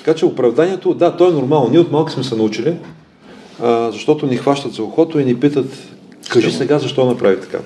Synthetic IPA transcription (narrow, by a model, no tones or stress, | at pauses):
t̪ɐ̥kat͡ʃɛʊpɾɐvd̪anʲiɛt̪od̪at̪ɔɛnʊɾmalˠnoniɛot̪malˠki̥smɛsɛnɐut͡ʃili | əzɐʃt̪ɔt̪ʊnixvaʃt̪ət̪zɐoxɔt̪ʊinipit̪ət̪ | kəʒisɛɡazɐʃt̪ɔnɐpɾavit̪ɐ̥ka̰